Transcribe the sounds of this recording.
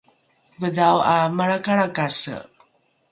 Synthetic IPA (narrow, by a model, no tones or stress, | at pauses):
bədawamaɾakaɾakasə̰